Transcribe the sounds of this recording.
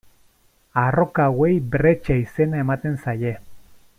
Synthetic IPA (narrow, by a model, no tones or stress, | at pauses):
arokawejbɾet͡ʃaise̞nae̞mat̪e̞nsaje